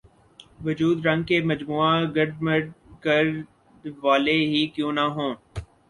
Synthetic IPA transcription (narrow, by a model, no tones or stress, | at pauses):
ʋʊd͡ʒuːd̪ɾɐ̃ŋɡ̚kemɐd͡ʒmuːaɡɐɾɖməɖkɐɾ | ʋaːleɦikjõːnɐɦõː